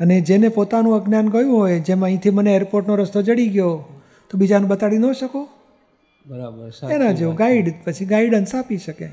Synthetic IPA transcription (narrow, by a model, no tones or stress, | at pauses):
əned͡ʒenepot̪anũəɡnjanɡəjũɦojd͡ʒemaə̃ĩt̪ʰiməneeɾpoɾʈnoɾəst̪od͡ʒəɽiɡjo | t̪obid͡ʒanũbət̪aɽinəʃəko | bəɾabəenad͡ʒeuɡaiɖpət͡ʃʰiɡaiɖənsapiʃəke